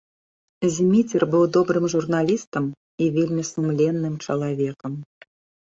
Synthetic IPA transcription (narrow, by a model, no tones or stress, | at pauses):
zʲmʲit͡sʲɛrbɨwd̪ɔbɾɨmʐurnalʲist̪əm | ivʲelʲmʲisumlʲɛnːɨmt͡ʂɐlˠavʲɛkəm